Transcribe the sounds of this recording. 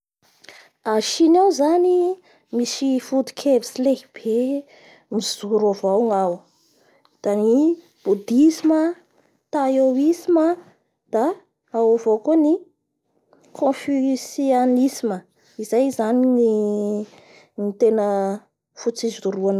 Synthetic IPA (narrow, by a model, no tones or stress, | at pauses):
aʃinawzani | misifud̪u̥kʰevi̥sileɦib̥e | miz̥uɾavawŋaw | d̪̥ani | b̥ud̪isimə | t̪ajowisimə | d̪̥a | awavokoni | kʰõfysianisimə | izajzanini | nit̪enə | fut͡sizuɾuan